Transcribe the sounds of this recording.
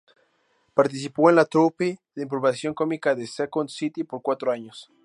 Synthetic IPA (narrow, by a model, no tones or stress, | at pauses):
paɾt̪is̬ipoenlat̪ɾupiðeimp̬ɾoβasjo̞ŋkomikaðesekonsit̪ipoɾkwat̪ɾoaɲos